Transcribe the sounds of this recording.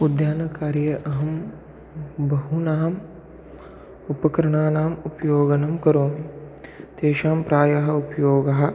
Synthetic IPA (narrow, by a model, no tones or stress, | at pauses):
ud̪jaːnɐkaːɾjɐʔɐɦɐm | bʱɐɦunɐɦɐm | upɐkɾɐɳaːnaːmupjoːɡɐnɐmkɐɾoːmit̪eːʃaːmpɾaːjɐɦɐupjoːɡɐɦɐ̆